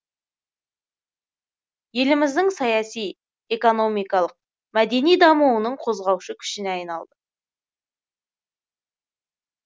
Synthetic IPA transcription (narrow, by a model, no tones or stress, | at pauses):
je̞lɪmɪzd̪ɪŋsɑjɑsij | e̞ko̞no̞mijkɑlˠəq̚ | mæd̪e̞nijd̪ɑmuwənəɴqʰo̞zʁɑwʃəkʲʰʏ̥ʃɪneɑjnɑlˠd̪ə